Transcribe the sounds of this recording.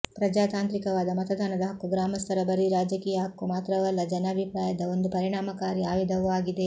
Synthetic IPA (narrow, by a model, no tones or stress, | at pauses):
pɾɐd͡ʒaːt̪aːnt̪ɾikɐʋaːd̪ɐmɐt̪ɐd̪ʱaːnɐd̪ɐɦɐkːuɡɾaːmɐst̪ʰɐɾɐbɐɾiɾaːd͡ʒɐkiːjɐɦɐkːumaːt̪ɾɐʋɐlːɐd͡ʒɐnɐːbʱipɾaːjɐd̪ɐond̪upɐɾiɳaːmɐkaːɾjiaːʋid̪ʱɐʋɐʋaːɡid̪e